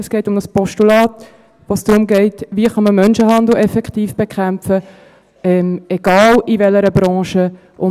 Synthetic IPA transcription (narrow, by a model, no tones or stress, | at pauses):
ɛsɡ̥ɛɪtʊmdəspɔʃtulɑːt̪ | ʋosd̪̥ɾʊmɡeɪtʋiəχɑməmœnʃəɦɑnd̪l̩ɛfɛkχtiːfb̥ekʰæmpfə | ɛmɛɡ̥ɑːlivɛləɾəbɾɑ̃ːʃə | ʔʊ